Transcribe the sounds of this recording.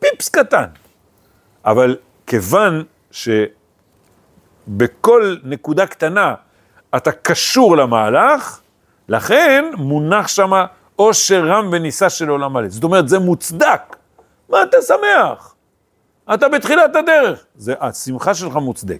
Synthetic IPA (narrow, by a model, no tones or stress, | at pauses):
pipskat̪a̰n | ʔa̰val | ke̞van | ʃe̞ | beko̞lne̞kud̪akt̪anaː | t̪akaʃuʁlamaːlaχ | laχenmunaχʃama | o̞ʃeʁambenisaʃe̞lo̞lamalezot̪̬o̞me̞ʁet̪zemut͡sd̪ak | maːt̪asame̞aχ | at̪abet̪χilat̪ad̪e̞ʁe̞χ | zeʔasimχaʃe̞lχamut͡sd̪ek